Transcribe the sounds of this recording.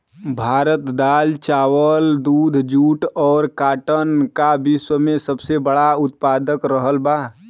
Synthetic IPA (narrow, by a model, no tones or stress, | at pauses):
bʱaːɾət̪d̪aːlt͡ʃaːwəld̪uːd̪ʱd͡ʒuːʈɔːɾkaːʈənkabiswəmẽsəbsebəɽaʊt̪̚paːd̪əkɾəɦəlbaː